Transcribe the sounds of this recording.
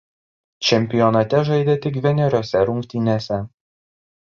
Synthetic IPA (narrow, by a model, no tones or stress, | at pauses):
t͡ʃʲɛmʲpʲɪjɔnɐt̪ʲɛʒɐɪd̪ʲet̪ʲɪkʋʲɛnʲɛɾʲoːsʲɛɾʊŋʲkt̪ʲɪnʲeːsʲɛ